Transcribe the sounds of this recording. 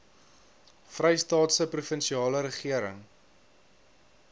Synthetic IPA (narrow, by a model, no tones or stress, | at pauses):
frɛjstɑːtsəprufənʃiɑːləɾəχiəɾəŋ